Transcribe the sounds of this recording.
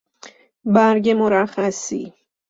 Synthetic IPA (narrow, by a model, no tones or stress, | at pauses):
bæɾɟemoɾæxæsḭ